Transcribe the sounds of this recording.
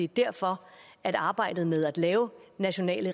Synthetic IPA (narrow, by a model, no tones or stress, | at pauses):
id̥æɐ̰fɒ̽æɾ̥ɑ̈ːb̥ɑ̈ɪ̰d̥ð̩ˠmeð̞ˠæd̥lɛːʊnæɕo̝nɛ̰ːlə